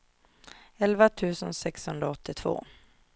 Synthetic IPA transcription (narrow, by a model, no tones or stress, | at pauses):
ɛlvat̪ʰʉ̟ːsənsɛkshɵnd̪ɾaɔt̪ʰːɪt̪ʰv̥o̰ː